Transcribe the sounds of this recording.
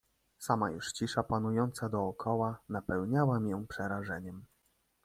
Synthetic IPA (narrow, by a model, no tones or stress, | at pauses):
sama̰jṵʂt͡ɕiʂapanujɔnt̪sad̪ɔːkʰɔwanapɛwɲawamʲijɔ̃w̃pʂɛɾaʐɛɲɛm